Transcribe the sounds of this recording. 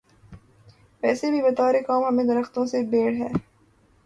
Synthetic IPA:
ʋɛːsebʱibɐt̪aːɾekaːmɦɐmẽd̪ɐɾəxt̪õsebeːɽɦɛː

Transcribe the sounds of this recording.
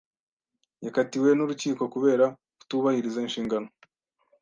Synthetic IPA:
jakatiwe̞nuɾuciːko̞kuβe̞ːɾa | ku̥tuːβahiɾizainʃiːŋɡano̞

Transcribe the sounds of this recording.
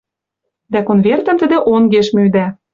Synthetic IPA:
d̪ækonvert̪ə̆mt̪ə̆d̪ĕʔonɡeʃmyd̪æ

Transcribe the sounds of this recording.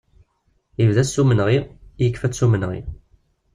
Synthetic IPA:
ivðæsːumənʁijəkːfæt͡sːsumənʁḭ

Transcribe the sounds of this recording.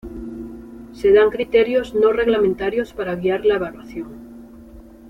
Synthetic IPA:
se̞ðaŋkɾit̪e̞ɾjozno̞re̞ɣlamẽnt̪aɾjo̞spaɾaɣiaɾlaeβalwaθjoŋ

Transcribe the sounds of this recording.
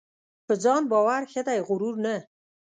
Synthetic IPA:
pəd͡zɑnbɔwaɾxed̪ajɣʊɾuɾnə

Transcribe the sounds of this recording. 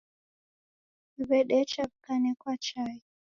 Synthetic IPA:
iβɛɗɛt͡ʃaβkanɛkwat͡ʃai

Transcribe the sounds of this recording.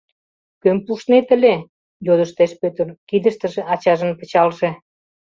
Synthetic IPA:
kømpuʃnet̪əlʲe | jod̪əʃt̪eʃpøt̪ərkid̪əʃt̪ə̆ʒĕʔɑt͡ɕɑʒə̆npə̆t͡ɕɑlʒe

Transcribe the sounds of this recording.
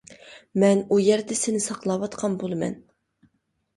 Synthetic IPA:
mɛnujɛɾd̪ɛsɪnɪsɑqlˠɑwɑt̪qʰɑnbolˠɨmɛ̰n

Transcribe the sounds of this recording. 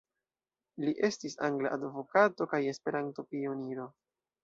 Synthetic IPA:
liʔe̞stisaŋɡla̰ʔadvo̞kato̞kaje̞spe̞ɾanto̞pio̞niɾo̞

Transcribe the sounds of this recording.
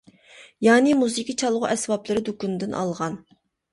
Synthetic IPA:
jɑːnɪmuzikʲit͡ʃʰɑlˠʁʊʔɛsbɑplˠɨɾɨd̪ukʲund̪ɪnʔɑ̰lˠʁɑn

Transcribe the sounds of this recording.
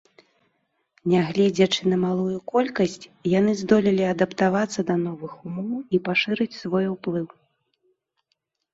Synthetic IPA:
nʲaɣlʲɛd͡zʲɐt͡ʂɨnɐmalˠujukɔlʲkɐsʲt͡sʲjanɨzd̪ɔlʲilʲiɐd̪ɐpt̪avat̪sːɐd̪ɐn̪ɔvɨxumɔwipaʂɨɾɨt͡sʲsvɔjuplˠɨw

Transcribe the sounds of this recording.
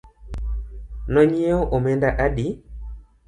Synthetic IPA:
nɔɲieoʔomɛndaʔaɗi

